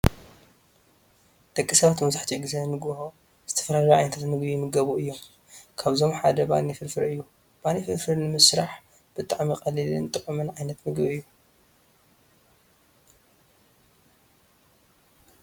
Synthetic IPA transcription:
d̪̥ɐkʼːisɐβat̪mɐzaħt̪ʰiɡɨzɐnɨmɨɡbho | z̥ɨt̪ʰɐ̥fɐlalɐʕajnɐt̪ʰat̪mɨɡbimɨɡɐβuʔɨjːo̞m | kʰaβzo̞mħad̪ɐba̰nifɨɾfɨɾɨjːu | b̥anifɨɾfɨɾnɨmɨsɾaħ | b̥ɨt̪ʼaʕmiqʼɐlilɨnt̪ʼɨʕumɨnʕajnɐt̪mɨɡbiɨjːu

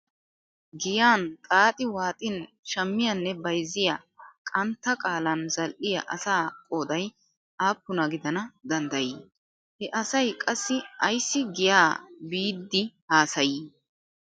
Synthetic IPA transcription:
ɡɪjaːnt̪ʼaːt̪ʼɪwaːt̪ʼɪn | ʃɐmːɪjɐnːɛbɐjzɪjɐkʼɐnt̪ːɐkʼaːlɐnzɐlʔɪjɐʔɐ̰saːkʼoːd̪ɐj | aːpːʊnɐɡɪd̪ɐnɐd̪ɐnd̪ɐjiː | hɛʔɐsɐjkʼɐsːɪʔɐjsːɪɡɪjaːbiːd̪ːɪhaːsɐjɪ

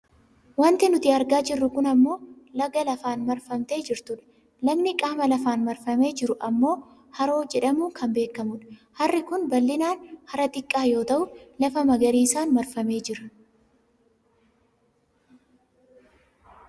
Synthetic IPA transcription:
wɐnt̪ɪnʊt̪ɪɐɾɡaːd͡ʒɪrːʊkʊnɐmːo̞ː | lɐɡɐlɐfaːnmɐɾfɐmt̪e̞ːd͡ʒɪɾt̪ʊᶑɐ̥ | lɐɡnɪkʼaːmɐlɐfaːnmɐɾfɐme̞ːd͡ʒɪɾʊʔɐmːo̞ː | hɐɾo̞ːd͡ʒɛᶑɐmuːkʰɐmbeːkːɐmʊᶑɐ̥ | hɐrːɪkʊnbɐlːɪnaːnhɐɾɐt̪ʼɪkʼːaːjo̞ːt̪ɐʔʊlɐfɐmɐɡɐɾiːsaːnmɐɾfɐme̞ːd͡ʒɪɾɐ̥

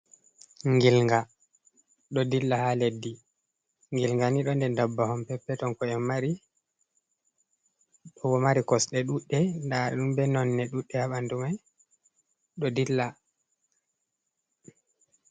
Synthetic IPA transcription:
ŋɡilŋɡa | ɗɔdilːahaledːi | ŋɡilŋɡaniɗɔndɛndabːahɔmpɛpːɛtɔnkɔɛmːaɾi | ɗɔwɔmaɾikɔsɗɛɗuɗːɛndaɗɔ̰ɗumbɛnɔnːɛɗuɗːɛhaɓandumaj | ɗɔdilːa

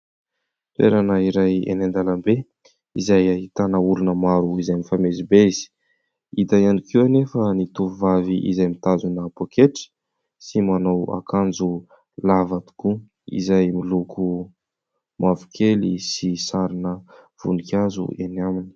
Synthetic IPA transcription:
t̪wḛɾanəiɾajḛnand̪alambe | izajaɦit̪anauɾunəmaɾuizajmifamezibeiz̥i̥ | it̪ajanikʰiwanefənit̪uvuvaviʔḭzajmit̪azunapokʰeʈ͡ʂi̥ | simanawa̰kand͡zu | lavat̪u̥ku | ḭzajmilukʰu | mavu̥kʰelḭsisaɾinə | v̥ṵnikazṵḛnamini̥

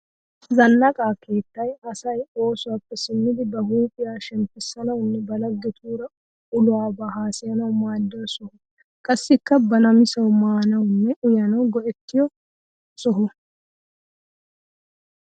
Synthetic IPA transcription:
zɐnːɐkʼaːkʰe̞ːt̪ːɐjɐsɐjo̞ːsʊwaːpːɛsɪmːɪd̪ɪbɐhuːpʼɪjaːʃɛmpɪsːɐnɐwʊnːɛbɐlɐɡːɛt̪ʰuːɾɐ | ʊlʊwaːbɐhaːsɪjɐnɐwmaːd̪ːɐsɔhʊ | kʼɐsːɪkːɐbɐnɐmɪsɐwmaːnɐwnːɛʔʊjɐnɐwɡɔʔɛt̪ːɪjɔ | sɔɦʊ

